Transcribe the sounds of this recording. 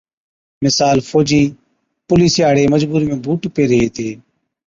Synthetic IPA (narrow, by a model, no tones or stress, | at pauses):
mɪsaːlfʰoːd͡ʒiː | pʊliːsɪjaːɽeːməd͡ʒbuːɾmẽːbʱuːʈpeːɾəɦeːt̪ʰeː